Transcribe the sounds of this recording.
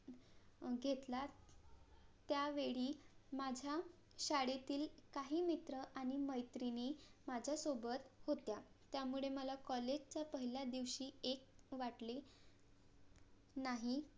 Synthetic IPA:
ɡʱet̪la | t̪jaʋeɭiːmad͡ʑʱja | ɕaɽet̪iːlkaɦiːmit̪ɾəʔaɽ̃iməjt̪ɾinemad͡ʑʱjasobət̪hot̪ja | t̪jamuɭeməlakɔled͡ʑt͡ɕjapəɦiljad̪iʋɕiːek̚ʋaʈle | naɦi

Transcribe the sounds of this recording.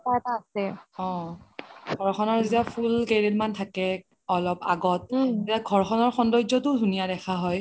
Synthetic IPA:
taɛtaːsɛɔ̃ | ɡʱɔɹxʰɔnɔɹzitiapʰulkedetmantʰakɛ | ɔlɔpa̰ɡɔt̚etiaɡʱɔɹxʰɔnɔɹxɔndɔjd͡ʒɔtʊdʱunijadɛxʰaɦɔj

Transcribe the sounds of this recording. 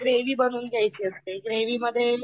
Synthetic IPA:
ɡɾeʋiːbənuːnɡjajt͡ɕiːəst̪eɡɾeʋiːməd̪ʱːje

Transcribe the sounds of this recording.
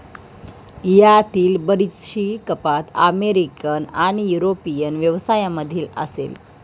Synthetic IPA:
jat̪iːlbəɾiɕiːkəpat̪əmeɾikənaɽ̃ijuɾopijənʋjəʋsajaməd̪ʱiːlə̰sḛl

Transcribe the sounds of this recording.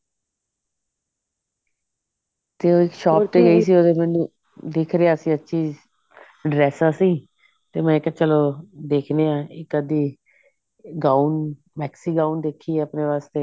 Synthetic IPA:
t̪eːoːɪkʃɔːp̚ʈ̪eːɡəiːs̬iːoːd̪eːmɛ̃ːnũː | d̪ekʰɾeaːsĩːətːʃʰiː | ɖɾɛːsaːsiː | t̪eːmɛ̃ːɪkət͡ʃəloːd̪eːkʰneːãːɪkəd̪iː | ɡaːun | mɛːksiːɡaːund̪eːkʰːiːəpneːʋaːst̪eː

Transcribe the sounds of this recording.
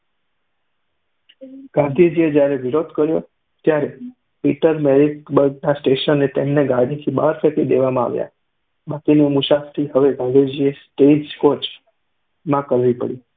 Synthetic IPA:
ɡ̥ãnd̪ʱid͡ʒied͡ʒjaɾeʋiɾod̪kəɾjo | t̪jaɾe | piʈəɾmeɾikbəɾɡnasʈeʃənːet̪emneɡaɽit̪ʰibaɾfʰekid̪eʋamãa̰ʋja̰ | bakinimuʃast̪ʰiɦəʋeɡãnd̪ʱid͡ʒiesʈed͡ʒkot͡ʃ | mãkəɾʋipə̰ɽi

